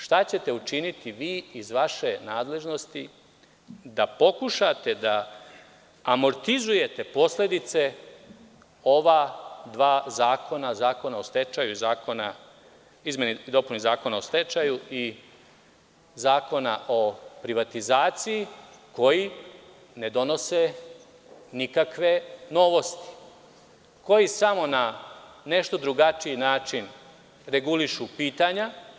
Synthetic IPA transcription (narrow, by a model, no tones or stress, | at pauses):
ʃt̪at͡ɕe̞t̪e̞ut͡ʃinit̪iʋiːizʋaʃe̞naːd̪le̞ʒno̞st̪i | d̪apo̞kuʃat̪e̞d̪a | mo̞ɾt̪izuje̞t̪e̞po̞sle̞d̪it̪se̞ | o̞ʋad̪ʋaːzaːkʰo̞nazaːko̞naost̪e̞t͡ʃajuizaːkona | izmʲjenid̪o̞punizaːko̞naost̪e̞t͡ʃajui | zaːko̞naʔo̞pɾiʋat̪izaːt̪sijiko̞ji | ne̞d̪o̞no̞se | nikakʋe̞no̞ʋo̞st̪i̥ | ko̞jisamo̞nane̞ʃt̪o̞d̪ɾuɡat͡ʃijinaːt͡ʃin | ɾe̞ɡuliʃupiːt̪aɲa